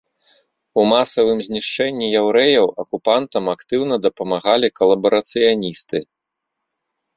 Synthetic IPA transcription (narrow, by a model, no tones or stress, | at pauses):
umasɐvɨmzʲnʲiʂt͡ʂɛnʲːijawɾɛjɐwɐkupant̪ɐmakt̪ɨwnɐd̪ɐpɐmaɣalʲikɐlˠɐbɐɾɐt̪sɨjanʲist̪ɨ